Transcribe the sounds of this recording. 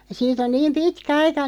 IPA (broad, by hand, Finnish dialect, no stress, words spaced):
siːt on niːm pitkæ ɑikɑ